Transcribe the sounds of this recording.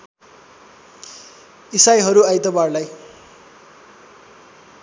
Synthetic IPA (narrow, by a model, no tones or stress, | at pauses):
isajɦʌɾuajt̪ʌbarlaj